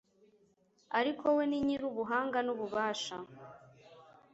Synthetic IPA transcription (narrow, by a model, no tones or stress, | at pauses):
aɾikʰo̞weniɲiɾuβuɦaːŋɡanuβuβaːʃa